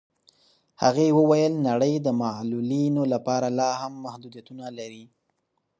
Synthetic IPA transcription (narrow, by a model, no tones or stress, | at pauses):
ha̰ɣewəwajəlnaɽəjd̪əmalulinolapɑɾalɑhamːahd̪ud̪jat̪unalaɾi